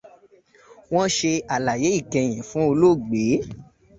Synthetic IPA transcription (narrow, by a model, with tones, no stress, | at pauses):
w̃ɔ̃˦ʃe˧a˨la˨je˨˦i˦˨kɛ̃˧j̃ɛ̃˨fũ˨˦o˧lo˦˨ɡ͡be˨˦